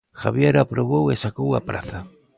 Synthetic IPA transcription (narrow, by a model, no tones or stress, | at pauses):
xaβjeɾapɾoβowesakowa̰pɾa̰θa